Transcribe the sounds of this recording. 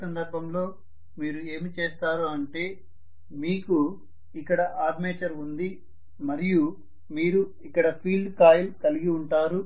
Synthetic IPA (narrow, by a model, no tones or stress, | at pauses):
sɐnd̪ɐɾbʱɐmlo̞ː | miːɾue̞ːmit͡ʃe̞ːst̪aːɾuɐɳʈe̞ː | miːku | ikːɐɽɐʔaːd̪meːt͡ʃɐɾund̪i | mɐɾiju | miːɾu | ikːɐɽɐpʰiːlɖkaːjlkɐliɡiuɳʈaːɾu